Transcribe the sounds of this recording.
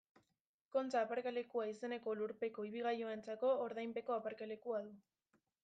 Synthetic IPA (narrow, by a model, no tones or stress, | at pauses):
ko̞nt͡saːpaɾkale̞kuaise̞ne̞ko̞luɾpe̞ko̞iβiɣ̞ajo̞e̞nt͡sako̞ːɾðajmpe̞ko̞apaɾkale̞kuaðu